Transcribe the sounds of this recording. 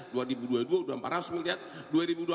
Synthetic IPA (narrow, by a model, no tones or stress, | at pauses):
duaɾibuduaduauduampaɾasmilt̪iat̪̚duaɾibudua